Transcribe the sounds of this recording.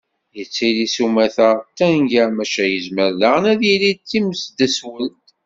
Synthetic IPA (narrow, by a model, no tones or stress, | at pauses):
jət͡sːilisumæθət̪ænʝæmæʃæjəzməɾləʁənæðjilid̪̚t͡sːiməsd̪æswəlt̪